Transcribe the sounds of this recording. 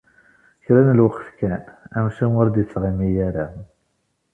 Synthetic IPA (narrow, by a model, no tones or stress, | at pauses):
çɾænəlwəqːfkænæmʃinʊɾd̪ət͡sːʁimijaɾa